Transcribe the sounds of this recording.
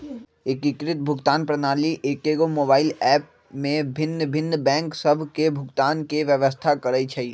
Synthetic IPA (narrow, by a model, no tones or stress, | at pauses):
ekikɾɪt̪̚bʱʊɡt̪aːnpɾɐnaːliʔeːkeːɡomoːbaːɪlɛːp̚ | mẽbʱɪnːbʱɪnːbɛ̃ːŋksɐbʱkebʱʊɡt̪aːnkeʋjəʋəs̬t̪ʰakɐɾəit͡ʃʰɛi